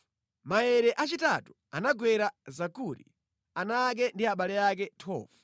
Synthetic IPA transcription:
majɛɾɛʔat͡ʃita̰tu̥ | a̰naɡwɛɾazakuɾḭ | anak̬ɛndiaɓalɛak̬ɛtʰɔ̰ːvu

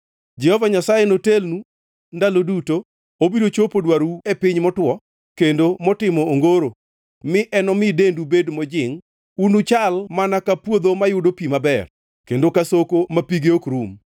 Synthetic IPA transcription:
d͡ʒɛhɔvaɲasajenotelnu | ndaloduto | obidot͡ʃopodwaɾuepɪɲmɔtwɔ | kendomɔtɪmɔːŋɡoɾo | mɪʔɛnɔmɪdendubedmɔd͡ʒɪŋ | unut͡ʃalmanakapwod̪omajʊdopimabɛr | kendokasokomapiɡeokɾum

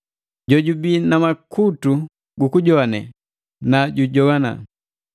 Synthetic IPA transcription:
ɟɔɟubinamakutu | ɡukuɟɔanɛ̰ | naɟuɟɔɡana̰

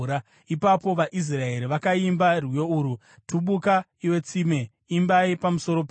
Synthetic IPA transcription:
ɾa | ipapo̞ʋaʔis̬rae̞ɾiʋakaimbarwijouːɾu | tuɓuka | iwe̞t͡sime̞ | imbaipamuso̞ɾo̞p

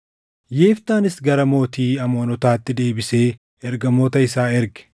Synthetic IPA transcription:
je̞ːft̪aːnɪsɡɐɾɐmo̞ːt̪iːɐmo̞ːnɔt̪aːt̪ːɪd̪e̞ːbɪse̞ː | ɛɾɡɐmoːt̪ɐɪsaːɛɾɡɛ̥

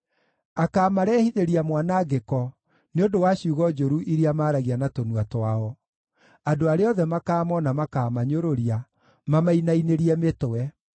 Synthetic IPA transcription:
akaːmaɾɛhiðeɾiamwanaɡekɔ | neondowaɕiuɣɔd͡ʒoɾuʔiɾiamaːɾaɣianatonuwatwaɔ | adoaɾeɔðɛmakaːmɔnamakamaɲoɾoɾia | mamainaineɾiɛmetoɛ

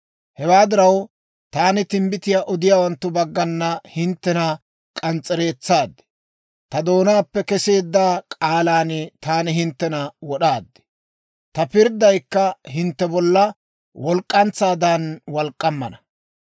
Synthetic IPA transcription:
hɛwaːd̪ɪɾɐw | t̪aːnɪt̪ɪmbɪt̪ɪjaːʔɔd̪ɪjaːwɐnt̪ːʊbɐɡːɐnːɐhɪnt̪ːɛnɐ | kʼɐnt͡sʼːɛɾe̞ːt͡sːaːd̪ːɪ̥ | t̪ɐd̪o̞ːnaːpːɛkɛse̞ːd̪ːaːkʼaːlaːnɪt̪aːnɪɦɪnt̪ːɛnɐwɔɗaːd̪ːɪ̥ | t̪ɐpɪɾd̪ɐjkːɐɦɪnt̪ːɛbɔlːɐ | wɔlkʼːɐnt͡sːaːd̪aːnwɐlkʼːɐmːɐ̰nɐ

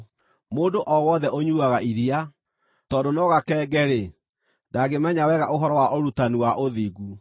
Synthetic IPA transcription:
moːndoʔɔwɔðɛʔoɲuːaɣaʔiɾia | tɔːdonɔɣakɛːɡɛɾe | daɡemɛɲawɛɣaʔoɦɔɾɔwaʔoɾutaniwaʔoðiːɡu

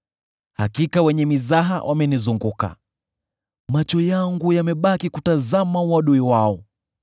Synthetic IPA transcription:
hakikawɛɲɛmizaɦa̰wʔamɛnizuŋɡuka̰ | mat͡ʃɔjaŋɡujamɛɓakikutazamauwaɗuiwaɔ

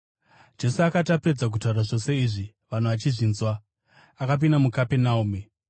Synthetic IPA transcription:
d͡ʒe̞suakatapre̞d͡zak̬utauɾaʐo̞se̞iʐi | ʋan̤uʋat͡ʃiʐiːnzwa | akap̬indamukape̞naume

